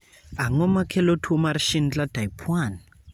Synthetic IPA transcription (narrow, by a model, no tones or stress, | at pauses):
aŋɔmakʰɛlotʰumaɾiʃinit͡ɬatʰaipʰwani